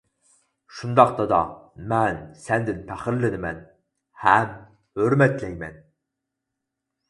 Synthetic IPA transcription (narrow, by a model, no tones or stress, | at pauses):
ʃund̪ɑq̚t̪ɑd̪ɑ̰mɛnsɛnd̪ɪnpʰæχəɾlɪnɪmɛn | hɛm | høɾmɛt̪lɛjmɛ̰n